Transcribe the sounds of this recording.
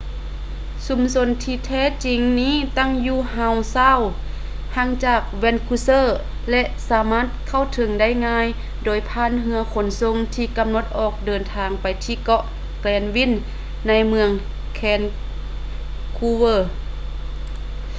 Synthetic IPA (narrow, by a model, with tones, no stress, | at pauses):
su˧˦mso˧˥nt̪ʰiː˧t̪ʰɛː˧˥˨t͡ɕi˨˦ŋniː˥˨t̪a˥˩˨ŋjuː˧ha˧˩wsaː˧˥˨w | ha˧˥˩ŋt͡ɕaː˧˩k̚wɛ˧˥˨nkʰuː˧sɤː˧˥˨ | lɛ˧ʔsaː˨˦maː˧˥˨t̪̚kʰa˧˥˩wt̪ʰɤ˨˧˦ŋda˥˩˨jŋaː˧˥j | doː˨˩jpʰaː˧˥˨nɦɯ˧ɐkʰo˨˧˦nso˧˨ŋt̪ʰiː˧ka˧˦mno˧˦t̪̚ʔɔː˨˩k̚dɤː˨nt̪ʰaː˨˧ŋpa˨jt̪ʰiː˧˩kɔ˧ʔ | klɛː˨˩nwi˧˥˨nː | a˧˥˨jmɯ˧əŋ | kʰɛː˧n | kʰuː˧wɤː˧˩